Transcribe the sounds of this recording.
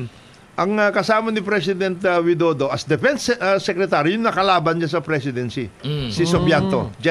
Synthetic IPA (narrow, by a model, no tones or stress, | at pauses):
ʔɐŋɐkɐsaːmɐnipɾɛsɪd̪ɛnt̪ɐwɪd̪od̪o̞ʔɐsd̪ɛfɛnssɛkɾɛt̪aːɾijʊŋnːɐkɐlaːbɐnjasɐpɾɛsɪd̪ɛnsisisobjant̪o̰d͡ʒ